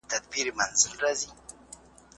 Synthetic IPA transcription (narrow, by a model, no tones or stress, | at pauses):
t̪ad̪̚piɾimanzəlrazi